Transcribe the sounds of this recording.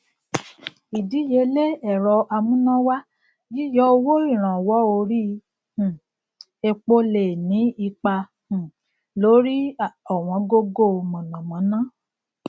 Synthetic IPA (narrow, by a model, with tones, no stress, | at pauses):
i˨di˨˦je˧˦le˦ɛ˨ɾɔ˧ʔa˧mũ˦nã˦wa˦ | ji˦jɔ˦o˧wo˦i˦˨ɾ̃ã˨wɔ˨˦o˧ɾi˦ | ũ˨ | e˧k͡po˦le˨nĩ˨˦i˧k͡pa˧ | ũ˨ | lo˨˦ɾi˦ɔ˨w̃ɔ̃˧ɡo˦ɡo˦˨mɔ̃˨nã˨mɔ̃˨˦nã˦